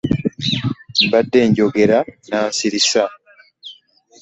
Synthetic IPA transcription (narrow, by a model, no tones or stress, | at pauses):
mbadːe̞ːɲɟoɡe̞ɾanaːnsiɾisa